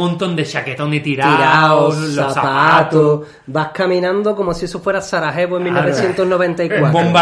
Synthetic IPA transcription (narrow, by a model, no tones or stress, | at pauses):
mõnt̪ond̪eʃaket̪oŋit̪iɾaiɾaosaspaat̪o | bahkamĩnãnd̪oko̞mosiesofweɾasaɾaɦeβoeŋmilnnoβeθjent̪oɦnoβ̞ẽnt̪aikwatboɾomba